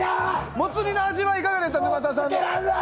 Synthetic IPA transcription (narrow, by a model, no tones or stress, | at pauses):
mot͡sɨɲʲinaːʑiβaikaɡad̪e̞ɕ̬t̪ad̪ɯmat̪̬as̬ãn